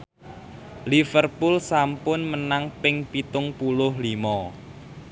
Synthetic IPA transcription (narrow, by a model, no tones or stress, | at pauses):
lifərpulsampʊnmənaŋpɪŋpit̪ʊŋpulʊhlimɔ